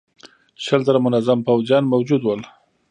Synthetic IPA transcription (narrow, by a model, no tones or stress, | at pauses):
ʃəlzaɾamʊnazampawzjɑnmawd͡ʒud̪wəl